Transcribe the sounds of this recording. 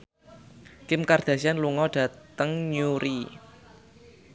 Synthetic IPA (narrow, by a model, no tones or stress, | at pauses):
kɪmkard̪̥ä̤sianluŋɔɖ̥ä̤t̪əŋɲuɾi